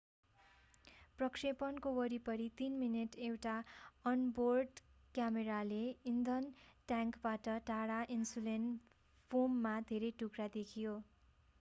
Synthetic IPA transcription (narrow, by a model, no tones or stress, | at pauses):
prʌkrepʌnkowʌɾipʌɾit̪inmineʈewʈaʌnborɖkjameɾaleind̪ʱʌnʈjaŋkbaʈʌʈaɽaʔinsulen | pʰomːad̪ʱeɾejʈukrad̪ekʰijo